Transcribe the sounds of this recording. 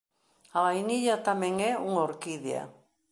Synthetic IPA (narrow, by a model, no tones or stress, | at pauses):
alajniʎat̪ameŋeuŋoɾkiðia̰